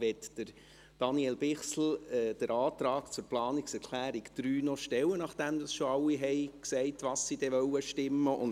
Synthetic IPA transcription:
vɛt̪d̥əɾ | d̥ɑniɛlbɪχsl̩ɛːd̥əɾɑːt̪ɾɑːkt͡sʊɾplɑːniksɛɾkʰlæːɾikd̪̥ɾyːnɔʃtɛwənɑχd̥æmd̥̪ɑsʃoɑwiɦɛɪksɛɪtʋɑssid̥ɛʋœwəʃtɪmːəʔʊ̰n

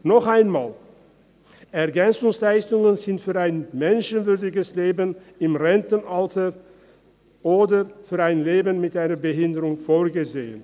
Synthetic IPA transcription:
nɔχʔaɪnma̰ːl | ʔɛɐɡɛnt͡sʊŋslaɪstʊŋənzɪntfyːɐaɪnmɛnʃənvʏɐdɪɡəsleːbən | ɪmʁɛntn̩ʔaltə | ʔoːdəfyːɐaɪnleːbənmɪtʔaɪnɐbəɦɪndəʁʊŋfoːɐɡəzeːən

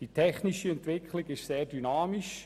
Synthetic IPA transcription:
d̥itʰɛχniʃiɛntʋɪkχlɪɡɪʃseːɾdynɑːmiʃ

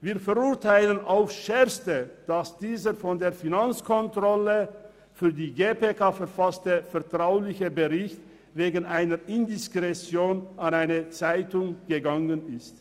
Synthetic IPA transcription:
viːɐfɛʁʊɐtʰaɪlənʔaʊfʃɛɐstəd̥asd̥iːzəfɔndeːɐfinant͡skʰɔntʁ̥ɔlə | fyːɐdiːɡeːpʰekʰaːfɛɐfastəfɛɐtʁ̥aʊlɪçəbəʁɪçt | veːɡənaɪnəʁɪndɪskʁ̥ɛsjoːnanaɪnət͡saɪtʊŋɡ̥əɡaŋənɪst

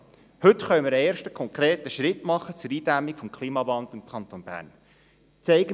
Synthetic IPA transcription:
hɵtχœʏmɪɾəeːɾʃtə̥kʰɔŋkɾeːtəʃɾɪtmɑχət͡sʊɾiːd̥æmikfɔmkʰliːmɑvɑnd̪lɪmkʰɑnt̪oːnbæ̰ːrn | t͡sɛɪɡə

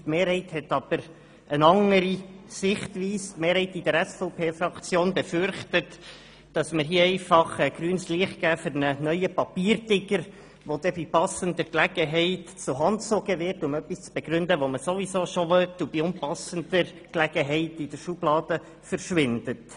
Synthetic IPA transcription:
tmeːɾhɛɪthɛt̪ɑb̥əɾ | ənɑŋəɾisɪχtʋiːstmeːɾhɛɪtid̥əɾɛsfɔʊpʰeːfɾɑkt͡sjoːnbɛfʏrχtət | d̥ɑsməɾɦiəɛɪfɑχɛɡ̥ɾyːnəsliəχt̚ɡæːfʏɾnənœʏəpɑpiːɾdɪɡəɾ | ʋod̥ɛbipɑsəndəɾklæɡəɦɛɪtt͡sʊɦɑntt͡soːɡəʋɪrtʊmœpːist͡sb̥ɛɡ̥ɾʏndəʋoməsovisoːʃoʋœtːub̥iʊnpɑsənd̪əɾ | klɛɡ̥əɦɛɪtid̥əɾʃub̥lɑːd̥ə | fəɾʃʋɪndət

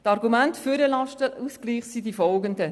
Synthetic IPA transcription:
tɑɾɡumæntfyɾəlɑʃtəusɡ̥liːχsidifɔlɡəndə

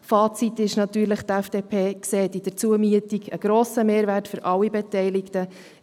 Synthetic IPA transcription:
fɑːt͡sit̪ɪʃnɑt̪yːɾləχt̪æfd̥eːpʰeːkseːt̪id̥ət͡suəmyətiɡə̰ɡ̥ɾoːsəmeːɾʋærtfʏɾʔɑlːibɛtɛɪlɪktə

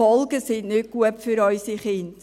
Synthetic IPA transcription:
ɔlɡəsɪnnʏt̚ɡ̥uəpfyɾɔʏsiχɪnt

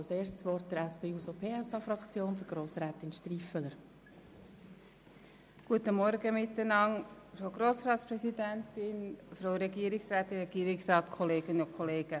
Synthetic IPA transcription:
ɑseːʃtsʋɔrt̚d̥əɾæspeːuːsopʰeːɛsɑfɾɑkt͡sjoːnd̥̪əɾɡ̥ɾoːsɾɛːt̪ɪnʃtɾifələɾ | ɡ̥uətəmɔɾɡəmɪtːənɑŋ | fɾoʊɡɾoːsɾɑːtspɾɛsidɛntɪnfɾowɾɛɡiəɾɪksɾæːt̪ɪnɾɛɡiːəɾɪksɾɑːtkʰɔleːɡ̥ənəʊnkʰɔleːɡ̥ə

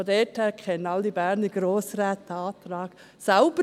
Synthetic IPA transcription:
odɛthɛːkʰχɛnənɑlːibæːɾniɡ̥ɾoːsɾæːt̪ɑːt̪ɾɑːɡ̥ | saʊb̥ə

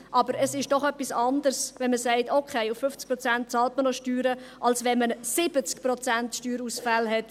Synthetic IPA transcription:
ʔɑbəɾəsɪʃd̥ɔχœpːisɑnd̪əɾsʋɛnməsɛɪtokʰeɪuffʏft͡skpɾɔt͡sænt̚t͡sɑːltmənoʃtyːɾəʔɑlsʋɛnmənsɪb̥ət͡skprɔt͡sæntʃtyːɾusfælɦɛt

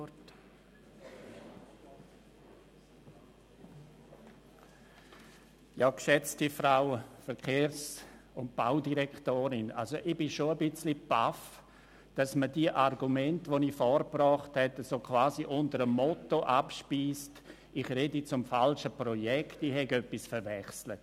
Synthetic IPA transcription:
jaːkʃɛt͡stifɾaʊfɛɾkʰeːɾs | ʊnt̚b̥aʊdiɾɛktoːɾɪna̰lzoʔib̥ɪʃoəbɪt͡slipaf | d̥asmədiəʔarɡumɛntʋonifɔɾprɔːχthɛtasokʰvaːziʔʊntəɾəmːɔtoʔapʃpiːst | iχɾedit͡sʊmfalʃəpɾɔjɛktihɛɡœpːisfəɾvɛχslət

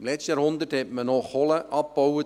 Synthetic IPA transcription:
mlɛstəjɑɾhʊnd̪ərthɛtmənɔχɔləʔɑp̚b̥ɔwə

